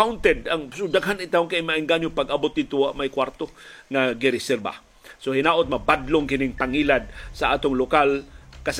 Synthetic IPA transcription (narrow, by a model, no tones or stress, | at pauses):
awnt̪ɛd̪aŋsʊd̪aɡɦanɪt̪aʊŋkajmaʔɪŋɡanjopaɡabʊt̪̚d̪it̪uaʔmajkwaɾt̪oŋaɡɪɾɪsɛɾba̰ | sohɪnaːʔot̪̚mabad̪loŋkɪnɪŋpaŋiːlad̪̚saa̰ːt̪oŋlokalkas